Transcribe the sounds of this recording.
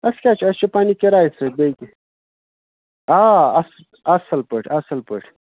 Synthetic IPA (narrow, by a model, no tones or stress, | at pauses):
ɐskʲaːt͡ʃʰɐst͡ʃupaːnikeɾaːisɐb̪ɐjki | aːɐs | ɐsɐlpəʈʰɐsɐlpəʈʰ